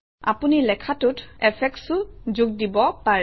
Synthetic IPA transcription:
a̰punilɛkʰatʊtɛpʰɛk̚sʊzuɡ̚dibɔpaɹ

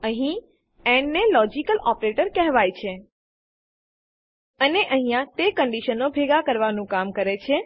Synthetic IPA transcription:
əɦĩ | ɛ̃ɳɖnelɔd͡ʒikəlɔpɾeʈəɾkɛɦʋajt͡ʃʰe | əneʔəɦĩjãt̪ekəɳɖiʃənobʱeɡakəɾʋanũkamkəɾet͡ʃʰe

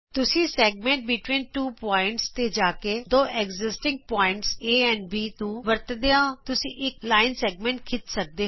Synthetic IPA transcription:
t̪ʊsĩːsɛːɡmɛ̃ːɳʈ̚bɪʈʋĩːnʈuːpɔːɪɳʈst̪eːd͡ʒaːkeːd̪oːʔɛɡzɪsʈɪ̃ŋɡ̚pɔːɪ̃ɳʈseːɛ̃ːɳɖbiːt̪ũːʋəɾt̪d̪eãːt̪ʊsĩːʔɪklaːɪnsɛːɡmɛ̃ːɳʈ̚kʰɪt̪sək̚d̪eː

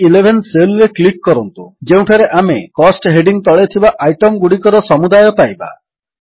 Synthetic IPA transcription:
ilebʱenselɾeklikːɔɾɔnt̪ud͡ʒeũʈʰaɾeʔamekɔsʈɦeɖiŋt̪ɔɭet̪ʰibaʔajʈɔmɡuɽikɔɾɔsɔmud̪ajɔpajba̰

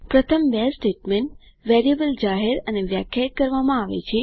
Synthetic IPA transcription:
pɾət̪ʰəmbesʈeʈmeɳʈ | ʋeɾiəbəld͡ʒaɦeɾəneʋjakʰjait̪̚kəɾʋamãaʋḛt͡ʃʰe

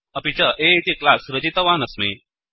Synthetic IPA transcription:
ɐpit͡ɕəʔeit̪iklasɾəd͡ʑit̪ɐʋanəsme

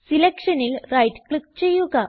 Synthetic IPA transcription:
silekʂɐnilrɐjʈkɭik̚t͡ɕe̞jːuɣɐ

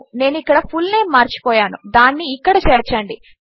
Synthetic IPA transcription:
ne̞ːnuikːɐɽɐpʰulne̞ːmːaːɾt͡ʃi̥pɔːjaːnud̪aːnːiːkːɐɽɐt͡ʃɛːɾt͡ʃɐɳɖi

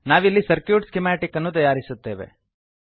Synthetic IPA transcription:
naːʋilːisɐɾkjuːɖskemaːʈikɐnːut̪ɐjaːɾisut̪ːeːʋḛ

